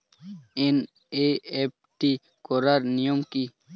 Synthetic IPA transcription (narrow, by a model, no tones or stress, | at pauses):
in | eep̚ʈi | koɾəɾnijumki